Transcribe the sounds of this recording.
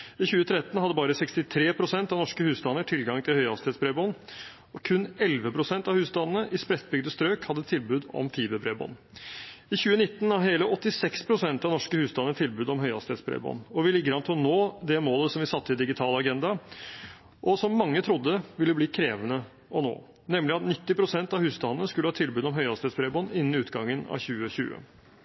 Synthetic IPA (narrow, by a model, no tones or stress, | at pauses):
ɪçʉːət̪ʰɾɛt̪n̩hɑd̪ːəbɑːɾəsɛkst̪ɪt̪ʰɾeːpʰɾʊsɛnt̪ɑʋnɔʂkəhʉːst̪ɑnːəʈʰɪlɡɑŋt̪ʰɪlhœʏɑst̪ɪɛt̪sbɾeːbɔnː | ɔkʰʉnːɛlʋəpʰɾʊsɛnt̪ɑʋhʉːsd̪ɑnnəʔɪspɾɛt̪̚ːbʏɡ̚d̪əst̪ɾøːkhɑd̪ːət̪ʰɪlbʉːd̪ɔ̰mfʰiːbəbɾeːbɔ̰nː | ɪçʉːənɪt̪ːnɑʋɦeːləʔɔt̪ːɪsɛkspʰɾʊsɛnt̪ɑnɔʂkəhʉːsd̪ɑnːəʈt̪ʰɪlbʉːd̪ɔmɦœʏɑ̰st̪ɛːt̪sbɾḛːbɔ̰nːɔʋɪlɪɡəɾɑnt̪ʰɪlnoːd̪ɛmoːləsɔmʋɪsɑt̪ːɪld̪ɪɡɪt̪ʰɑːlɑɡɛnd̪ɑ | ʔɔsɔmːɑŋːət̪ʰɾʊd̪ːəʋɪlːəbliːkʰɾeːʋənə | ɔno̰ː | nɛmlɪɑt̪nɪt̪ːɪpʰɾʊsɛnt̪ɑʋhʉːsd̪ɑnnəskʉləhɑːt̪ʰɪlbʉːd̪ɔmɦœʏɑst̪ɛːt̪sbɾeːbɔnːɪnːnɪʉːt̪ɡɑŋːənɑ̰çʉːəçʉ̰ːə̰